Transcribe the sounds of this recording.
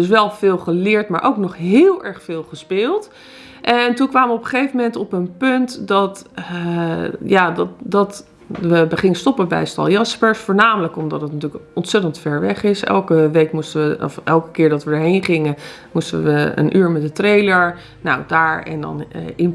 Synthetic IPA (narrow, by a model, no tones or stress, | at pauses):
əsʋɛlˠvɪːlˠχəlɪːɹtmaːɹʔowknɔχɦɪːlˠɛɹχfɪːlˠχəspɪːlˠt | ʔɛntunkʋaːmʋəɔpəχejvəmɛntɔpənpɵntdɑt | jaːddɑt | ʋəbəχɪŋəstɔpəbɛ̰jstɑ̰lˠjɑspɛɹsfoːɹnaːmələkɔmdɑtətnatyːləkɔntsɛtəntfɛɹʋɛχɪsɛ̰lˠkəʋejkmustəʋəɔ̰fɛlˠkə̥kɪːɹdɑtʋədəɹɦejnχɪŋən | mustə̰ʋəə̰nʔyːɹmɛt̚dətrejləɹ | na̰wdaːɹɛ̰ndɑ̰nɪn